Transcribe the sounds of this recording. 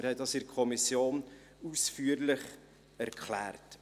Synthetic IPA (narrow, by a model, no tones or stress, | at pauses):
ɾhɛdɑsɪɾkʰɔmisjoːn | usfyːəɾlɪχ | æɾkχlæːrt